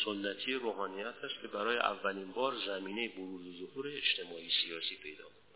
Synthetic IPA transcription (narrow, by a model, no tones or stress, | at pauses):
sonːæt̪ʰijeɾoːɦɒːnijæt̪ʰæst̪̚cʰe̞bæɾɒːjḛʔæ̰vːælinbɒːɾzæmiːne̞jeboɾuːzezohuːɾeːt͡ʃt̪ʰe̞mɒːiːsijɒːsiːpʰe̞jd̪ɒ̰ːk